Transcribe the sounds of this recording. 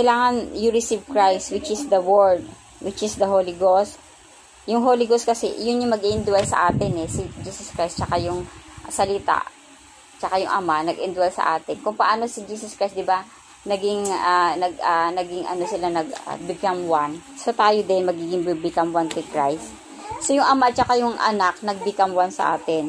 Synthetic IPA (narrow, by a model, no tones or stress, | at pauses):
kɐjlaːŋɐnjʊɹɪsivkɹajst̪wɪt͡ʃɪsd̪ɐwɛld̪̚ | wɪt͡ʃɪsd̪ɐɦolɪɡost̪ | jʊŋɦolɪɡost̚kɐsɛ̰jʊnjʊŋmɐɡʔiʔɪnd̪wɛlsɐ̰ʔaːt̪ɪnɛsɪd͡ʒiːsɐskɹajst̪̚t͡ʃɐkajʊŋsɐlɪt̪a̰ʔ | t͡ʃɐkajʊŋʔɐ̰manɐɡʔɪnd̪wɐlsɐ̰ʔaːt̪ɛnkʊŋpɐʔaːno̞sɪd͡ʒiːsɐskɹajsd̪ɪba | nɐɡɪŋanɐɡɐnɐɡɪŋʔɐ̰no̞sɪlanɐɡ̚ɐ̰bɪkɐmwansot̪aːjod̪ɛnmɐɡiːɡɪŋbibɪkɐmwant̪ʊkɹajst̪ | sojʊŋʔɐmaɐt̪̚t͡ʃɐkajʊŋʔɐ̰nak̚nɐɡ̚bɪkɐmwansɐ̰ʔa̰ːt̪ɛn